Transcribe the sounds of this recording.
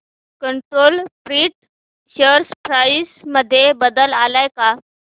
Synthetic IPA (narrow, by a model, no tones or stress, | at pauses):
kəɳʈɾolpɾiːʈ̚ | ɕəɾspɾajisməd̪ʱːjebəd̪əlalajka